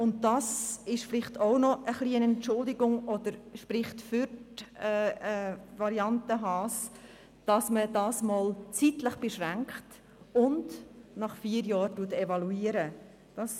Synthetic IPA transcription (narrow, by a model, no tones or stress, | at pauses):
ʊnt̚dɑsɪʃflɪχtʰoʊnɔʔəχliənɛntt͡ʃʊldɪɡʊŋɔd̪əɾʃpɾɪχtfʏɾtɛː | vɑɾiɑntəɦɑːs | d̥ɑsmədɑːsmɔːlt͡sitləχb̥eʃʁæŋkχt | ʊndnɑχfiːəɾjɑːɾtuətɛvɑluiːəɾə | d̥ɑs